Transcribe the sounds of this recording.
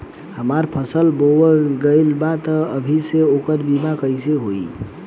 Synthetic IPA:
həmaɾpʰəsəlbowəɡəɪlbat̪əəbʱiseokəɾbimakəjseɦoi

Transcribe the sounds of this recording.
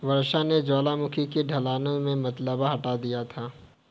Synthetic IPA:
ʋɐɾʃaned͡ʒaːlamʊkʰikeɖʱɐlaːnõmẽmɐt̪ləbaɦɐʈad̪ijat̪ʰaː

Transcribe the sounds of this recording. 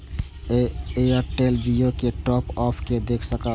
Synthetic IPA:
eeəʈeld͡ʒijokeʈɔpɔpʰked̪ekʰsəkəl

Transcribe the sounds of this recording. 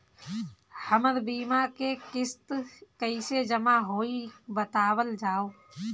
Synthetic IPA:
həməɾbiːmakekɪst̪kəised͡ʒəmaɦoːibət̪aːwəld͡ʒaːoː

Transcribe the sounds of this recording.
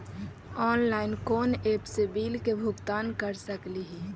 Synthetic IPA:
ɔːnlaːɪnkoːneːpsebiːlkebʱʊɡt̪aːnkəɾsəkliɦɛ

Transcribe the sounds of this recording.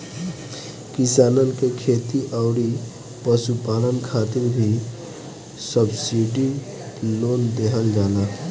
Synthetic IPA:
kisaːnənkekʰet̪iʔəʊɾi | pəsupalənkʰaːt̪iɾbʱi | səbsiɖi | loːnd̪eɦəld͡ʒaːla

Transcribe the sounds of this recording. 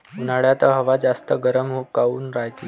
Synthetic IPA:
naɽjat̪əɦəʋad͡zast̪əɡəɾəmɦokauːnɾajt̪i

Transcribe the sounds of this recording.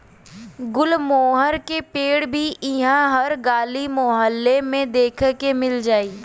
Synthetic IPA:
ɡʊlmoːɦəɾkepeːɽbʱiʔɪɦãɦɐɾɡaːlimoɦəlːemẽd̪eːkʰkemɪld͡ʒaːiː

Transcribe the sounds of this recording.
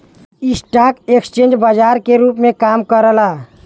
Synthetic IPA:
isʈakekst͡ʃẽnd͡ʒbad͡ʒaːɾkeɾuːpmẽkamkəɾəla

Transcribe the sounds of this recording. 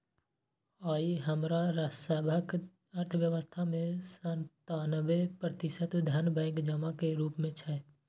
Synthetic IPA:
aːiɦəmɾaɾəsɛːbʱək | əɾt̪ʰəʋjəʋəst̪ʰamẽsə̃nt̪aːnəʋepɾət̪ɪʃət̪d̪ʱanbɛ̃ːŋkd͡ʒəmakeɾuːpmẽt͡ʃʰɛ

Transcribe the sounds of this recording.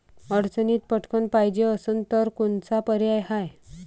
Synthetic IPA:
əɽt͡səniːt̪̚pəʈʰkənpajd͡ʑeəsənt̪əɾkunt͡sapəɾjajhaj

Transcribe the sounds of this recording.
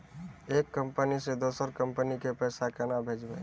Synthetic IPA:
eːkːə̃mpənised̪oːsəɾkə̃mpənikepɛːsakənabʱeːd͡ʒbə

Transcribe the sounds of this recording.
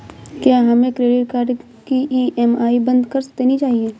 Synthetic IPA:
kjaːɦɐmẽkɾeːɖɪʈkaːɾɖ | kiʔiɛmaːibɐ̃nd̪kɐɾst̪enit͡ʃaːɦieː

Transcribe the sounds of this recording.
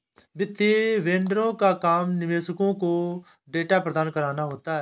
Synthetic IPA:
bɪt̪ʰːiːʋẽːɳɖəɾõːkaːkaːmnɪʋeːsəkõːkoː | ɖeːʈaːpɾəd̪aːnkəɾaːnaːɦoːt̪aːɛ

